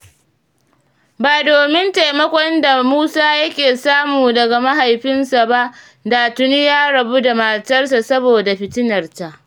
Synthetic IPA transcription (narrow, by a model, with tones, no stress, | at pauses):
baː˨doː˨mɪ˦nta˨jmɐ˦kʷɔ˦nda˨muː˦saː˦jɐ˦kʲeː˨saː˦muː˨dɐ˨ɡa˨ma˦ɦa˨jɸɪ˦nsa˨ba˦ʔ | daː˨tʊ˦ni˦jaː˦ɽɐ˨bu˦da˨maː˨tɐ˦rs̬a˨sɐ˦boː˨da˨ɸɪ˨tɪ˦nɐ˨rta˨ʔ